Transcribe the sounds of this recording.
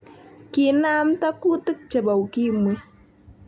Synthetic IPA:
ki˨naː˧mt̪a˦ku˦t̪ɨ˦k̚t͡ɕə˨ɓa˨wki˧mu˨˦

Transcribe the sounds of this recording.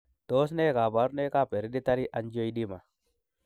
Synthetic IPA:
t̪o˦s̬ne˦ka˨ba˨˦ɾne˦ka˦˨pe˨ɾi˦di˦t̪a˦ɾi˦ʔa˦nd͡ʒo˦jdi˦ma˨

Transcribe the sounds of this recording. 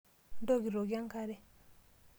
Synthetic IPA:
ndo˦ɡi˨ɾo˨ɡi˦a˦ŋka˦ɾɛ˦

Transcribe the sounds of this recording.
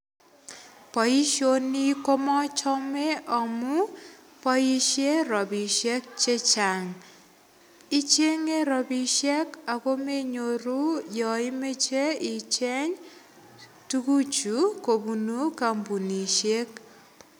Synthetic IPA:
pɔ˨i˦ʃo˦ni˦ko˦mɔ˦t͡ʃɔ˦me˦ʔɔ˨mu˦ | pɔ˦i˦ʃe˦ɾɔ˨bi˨ʃɛ˦k̚t͡ʃe˦t͡ʃa˨ŋ | i˦t͡ʃe˦ŋe˦ɾɔ˨bi˨ʃɛ˦ka˨ko˦me˦ɲo˨ɾu˦jɔ˨ɪ˦me˦t͡ʃe˦ɪ˨t͡ʃɛ˦ɲ | tu˦ku˦t͡ʃu˨˦ko˨bu˨nu˦ka˨mbu˨ni˨ʃe˦k

